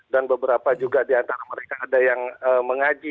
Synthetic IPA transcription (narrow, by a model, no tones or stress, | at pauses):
danbəbəɾapad͡ʒuɡadiant̪aɾaməɾekaːdajaŋəːməŋad͡ʒi